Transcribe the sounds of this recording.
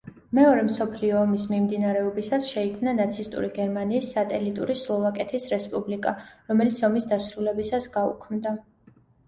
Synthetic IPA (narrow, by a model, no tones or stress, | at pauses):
mɛɔɾɛmsɔpʰliɔːmismimd̪inaɾɛɔbisasʃɛikʰmnanat̪sʰist̪ʼṵɾiɡɛɾmaniːsːat̪ʼɛlit̪ʼṵɾislˠɔvakʼɛt̪ʰisɾɛspʼublikʼaɾɔmɛlit̪sʰɔmisd̪asɾulɛbisasɡaṵkʰmd̪a